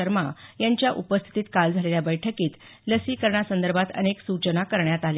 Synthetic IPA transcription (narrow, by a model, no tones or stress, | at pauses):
əɾmajaɲt͡ɕjaʔupəst̪ʰi̥t̪iːt̪kald͡zʱaleljabəjʈʰəkiːt̪ | ləsiːkəɾɳjasənd̪əɾbʱat̪ə̰neksut͡ɕənakəɾɳjat̪al